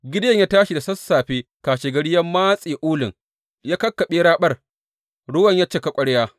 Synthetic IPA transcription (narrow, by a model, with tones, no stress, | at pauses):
ɡʲɪ˦djɐ˦˨ɲjaː˦taː˦ʃi˨da˨sɐ˦sːaː˨ɸeː˦kaː˨ʃeː˨ɡɐ˦ɽɪ˦jɐ˦mːaː˦sʼiː˨ʔʊː˦lɪ˨ŋ | jaː˦kɐ˦kːɐ˨ɓeː˦ɽaː˦ɓɐ˦˨r | ɽʊ˦wɐ˨ɲjaː˦t͡ʃeː˦ka˦kʷʼɐ˦ɽjaː˦